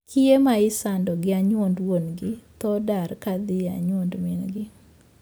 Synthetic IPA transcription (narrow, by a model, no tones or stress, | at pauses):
kʰiemaɪsandɔɡɪaɲwondwonɡɪt̪ɔdaɾkad̪ɪaɲwondminɡɪ